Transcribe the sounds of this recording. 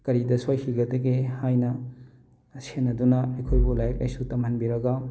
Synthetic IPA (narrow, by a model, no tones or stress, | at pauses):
kɐɾidɐsojhʰiɡɐdɐɡehajnɐ | sʰenːɐdunɐɐkʰojbulajɐk̚lɐjsutɐmɐnbiɾɐɡɐ